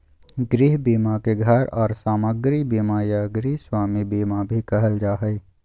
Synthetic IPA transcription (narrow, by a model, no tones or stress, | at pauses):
ɡɾiːɦbiːmakeɡʱəɾɔːɾsaːməɡɾibiːmajaɡɾiːɦswaːmibiːmabʱikɐɦəld͡ʒaːɦəj